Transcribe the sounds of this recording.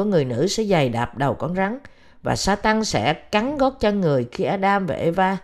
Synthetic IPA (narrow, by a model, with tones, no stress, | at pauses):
əŋɨ˨˩əjnɨ̰˧˥sɛ̰˧˥za˨˩jɗaː˨˩p̚ɗə˨˩wkɔ˧nza˨˦ŋ | va̰ː˨˩saː˧t̪a˧ŋsɛ̰˧˥ka˨˦nɣɔ˦˥t̚t͡ɕɔ˧ŋɨ˨˩əjxi˧ʔaː˧ɗaː˧mva̰ː˨˩ʔe˧vaː˧